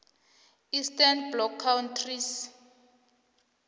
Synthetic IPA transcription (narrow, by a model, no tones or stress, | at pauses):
istanblɔkʰːawntʰris